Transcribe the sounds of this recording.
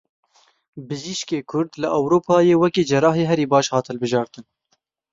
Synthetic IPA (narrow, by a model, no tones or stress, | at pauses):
bɨziʃkeːkʰʊɾd̪lɨʔɛwɾoːpʰɑːjeːwɛkeːd͡ʒɛɾɑːɦeːɦɛɾiːbɑːʃhɑːt̪hɛlbɨʒɑːɾt̪ɨn